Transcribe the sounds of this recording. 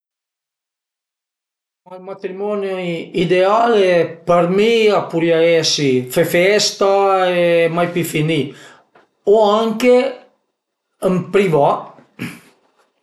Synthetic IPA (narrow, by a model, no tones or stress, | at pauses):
malmat̪ɾimɔnjoid̪ealpaɾmiapuɾjaɛsifefɛst̪aemajpifini | oaŋke | əmpɾiva